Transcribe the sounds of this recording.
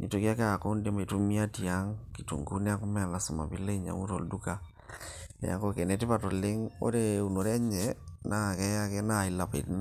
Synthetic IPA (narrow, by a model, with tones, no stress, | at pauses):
ni˨to˨kja˦ka˦˨ko˦nde˦ma˨i˨tu˦mi˦a˦ti˨a˦ŋki˨tṵ˨ŋɡu˦nɛ˦a˦ku˦mɛ˦a˨la˨su˨ma̰˨bḭ˦le˦ɲa̰˨mu˦tɔ̰˨ldu˦ka˨ | nɛ̰˨a̰˦kɔ˦kɛ˨nɛ˨˦ti˦pa˨tɔ˨le˦ŋo̰˦ɾe˦u˨no˨ɾɛ˦ɲɛna˦˨kɛ˦ja˦kɛ˦na˦˨i˨la˨pḭ˨ti˦na˦